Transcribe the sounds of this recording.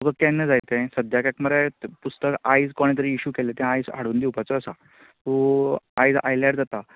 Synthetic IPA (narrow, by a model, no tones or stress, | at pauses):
məɡəkɛ̃nːəd͡zajt̪ẽsəd̪jakakməɾepust̪əkajd͡zkoɽ̃it̪̬əɾiːɕuːkelet̪ẽajd͡za̰ɽuːnd̪iwpat͡səːsa | t̪ua̰jd͡za̰jlɛʈd͡zat̪a